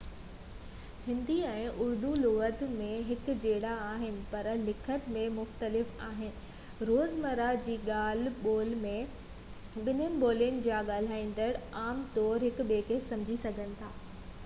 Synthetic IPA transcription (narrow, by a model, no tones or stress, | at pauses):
hɪ̃nd̪iɛ̃ːʔʊɾd̪ulʊɣət̪mẽɦɪkd͡ʑeːɽaaːɦɪnɪ̆pɐɾlɪkʰət̪mẽmʊxt̪əlɪfaːɦɪnɪ̆ | ɾoːzmɐɾad͡ʑiːɠaːl̤ɓoːl̤mẽ | ɓɪnənɪ̆ɓoːlijənɪ̆d͡ʑaːɠaːl̤aːĩːn̆d̪əɽaːmt̪ɔːɾɦɪkɓeːkesɐ̃md͡ʑʱisɐɡʱənɪ̆t̪ʰaː